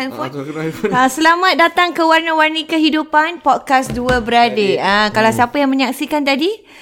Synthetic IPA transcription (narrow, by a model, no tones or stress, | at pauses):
anfɔnəsəlamat̪̚dat̪aŋkəwarnə̃warnĩkəɦidupanpɔt̪̚kasduəbəɾadeəkalawsapajaŋmə̃ɲaksikant̪adi